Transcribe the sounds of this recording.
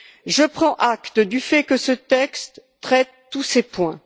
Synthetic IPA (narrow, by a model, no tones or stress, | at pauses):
ʒəpχɑ̃ʔakt̪əd̪yfɛkəsət̪ɛkst̪ː | χɛt̪ːusepwɛ̃